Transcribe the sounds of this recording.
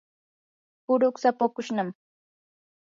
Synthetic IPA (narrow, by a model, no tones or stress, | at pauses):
pʊɾʊksapakʊʃnam